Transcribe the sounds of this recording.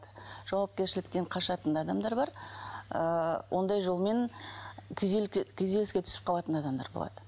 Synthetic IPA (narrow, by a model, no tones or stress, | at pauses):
d̪əʒ̥ɑwɑp̚kʲe̞ɾʃɪlɪk̚t̪eɴqʰɑʃɑt̪ənd̪ɑd̪ɑmd̪ɑɾbɑɾəwʔo̞nd̪ɑjʒo̞lˠme̞nk̪ʲʰkʲʰɵze̞lɪskʲet̪ʰʏ̥sɪ̥p̚qʰɑlˠɑt̪ənɑd̪ɑmd̪ɑ̰ɾbo̞̰lˠɑ̰d̪̥ə